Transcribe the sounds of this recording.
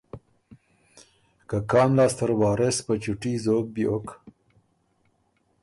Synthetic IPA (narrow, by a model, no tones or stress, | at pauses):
kakɑːmlɑːst̪əɾwɑːɾespət͡ʃuʈizoːk̚bjok